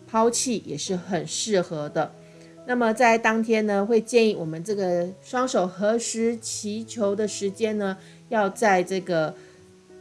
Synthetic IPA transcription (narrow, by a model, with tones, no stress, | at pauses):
pʰɑ˥ʊt͡ɕʰi˥˩jɛ̰˨˩ʂɻ̩˥˩xə˨˩nʂɻ̩˥˩xɤ˧˥˦d̪ə˧ | na˥˩mə˨˩t͡sa˥˩ɪt̪ɑ˥ŋt̪ʰjɛ˥nnə˨xwe˥˧ɪt͡ɕjɛ˥˧ni˥˩wɔ˨˩mə˦nʈ͡ʂɤ˥˩ɡə˩ʂwɑ˥ŋʂo˨˩ʊxɤ˧˥ʂɻ̩˧˥t͡ɕʰi˧˥t͡ɕʰjo˧˥ʊd̪ə˧ʂɻ̩˧˥t͡ɕjɛ˥nnə˧ | jɑ˥˧ʊt͡sa˥˧ɪʈ͡ʂɤ˥˩ɡə˩